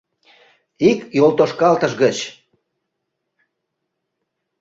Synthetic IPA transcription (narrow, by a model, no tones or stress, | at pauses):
ikjolt̪oʃkɑlt̪əʃɣət͡ɕ